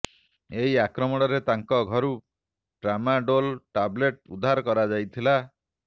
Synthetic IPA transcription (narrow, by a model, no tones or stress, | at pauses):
eɦiakɾɔmɔɽ̃ɔɾet̪aŋkɔɡʱɔɾu | ɖɾamaɖolʈableʈud̪ʱːaɾɔkɔɾad͡ʒajt̪ʰila